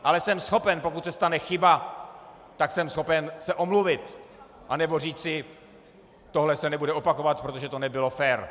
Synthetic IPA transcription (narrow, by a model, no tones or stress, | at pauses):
ʔalɛsɛmsxo̞pɛnpo̞kut̪sɛst̪anɛxɪba | t̪aksɛmsxo̞pɛnsɛʔo̞mluvɪt̪ | ʔanɛbo̞r̝iːst͡sɪ | t̪o̞ɦlɛsɛnɛbudɛʔo̞pako̞vat̪̚pɾot̪o̞ʒɛt̪o̞nɛbɪlo̞fɛːɾ